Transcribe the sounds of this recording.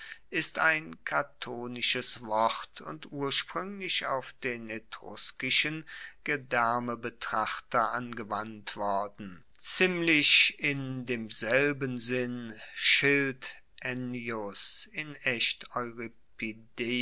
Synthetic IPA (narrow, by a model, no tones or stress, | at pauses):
ʔɪstaɪnkʰatʰoːnɪʃəsv̥ɔʁtʰʊ̰ntʔuːɐʃpʁ̥ʏŋlɪça̰ʊfd̥eːnetʁ̥ʊ̰skɪʃənɡ̥ədɛɐməbətʁ̥aχtɐʔanɡəvantv̥ɔɐdn̩t͡siːmlɪçɪndeːmzɛlbənzɪnʃɪlt | ʔɛniʊsɪnɛçtɔʏʁipideː